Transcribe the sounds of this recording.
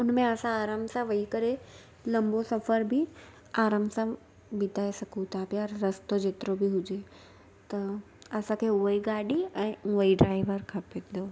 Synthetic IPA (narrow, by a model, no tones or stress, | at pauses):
ʊnmẽɐsãaːɾəmsãʋɐɦikɐɾe | lɐ̃mbosɐfəɾbʱi | aːɾəmsã | bɪt̪aːisɐkʰũt̪ʰapijaɾɾɐst̪od͡ʑeːt̪ɪɾobiɦʊd͡ʑe | t̪ɐ | ɐsãkʰeːʊɦiɡaːɗiɛ̃ːʊɦiɖɾaːɪʋəɾkʰɐpẽnd̪oː